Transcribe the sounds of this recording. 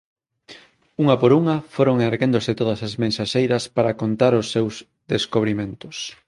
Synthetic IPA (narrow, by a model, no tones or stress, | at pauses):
uŋɐpoɾuŋɐfoɾoŋeneɾɣend̪ʊsɪt̪oðɐsazmẽnsaʃejɾɐspaɾakont̪aɾʊsːewz | ðeskoβ̞ɾimẽnt̪ʊs